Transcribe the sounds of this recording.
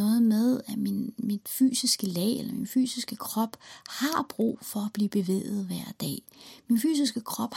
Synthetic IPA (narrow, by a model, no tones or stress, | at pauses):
ɔ̽ːð̩ˠmeð̞ˠæminmid̥fy̰ːsisɡ̥əlɛ̰ːelɐminfy̰ːsisɡ̥əkʰʁɒ̽b̥hɑ̈b̥ʁṵːfɒ̽æb̥liːb̥e̝ʋḛːð̞̩ˠʋæɐ̰d̥ɛ̰ːminfy̰ːs̬isɡ̥əkʰʁɒ̽b̥